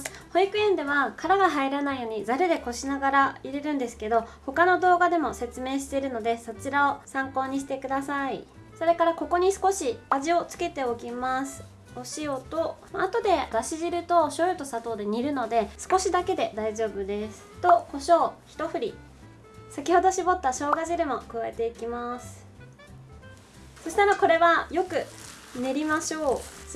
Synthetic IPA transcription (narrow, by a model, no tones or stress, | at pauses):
sɨ̥hoikɯ̟ẽ̞nd̪e̞βakʰaɾaɡaɦaiɾanaijo̞ːɲ̟izaɾed̪e̞ko̞ɕinaɡaɾaiɾe̞ɾɯ̟̃nd̪e̞sɨ̥ke̞d̪o̞ho̞kano̞d̪o̞ːɡad̪e̞mo̞se̞t͡sɨme̞ːɕ̬i̥t̪e̞ɾɯ̟no̞d̪e̞so̞t͡ɕiɾaosãŋko̞ːɲ̟iɕi̥t̪e̞kɯ̟d̪asai | so̞ɾe̞kaɾako̞ko̞ɲ̟isɨ̥ko̞ɕiaʑio̞t͡sɨ̥ke̞t̪e̞okʲimasɨ̥ | o̞ɕio̞t̪o̞ | at̪o̞d̪e̞ɡaɕiʑiɾɯ̟t̪o̞ɕo̞ːjot̪o̞sat̪o̞ːd̪e̞ɲ̟iɾɯ̟no̞d̪e̞sɨ̥ko̞ɕid̪ake̞d̪e̞d̪aiʑo̞ːbɯ̟d̪e̞sɨ̥t̪o̞ko̞ɕo̞ːçi̥t̪o̞ɸɯ̟ɾʲi | sakʲiho̞d̪o̞ɕibo̞t̪ːaɕo̞ːɡaʑiɾɯ̟mo̞kɯβae̞t̪e̞ikʲimasɨ̥ | so̞ɕi̥t̪aɾako̞ɾe̞βajo̞kɯ̟ | ne̞ɾʲimaɕo̞ː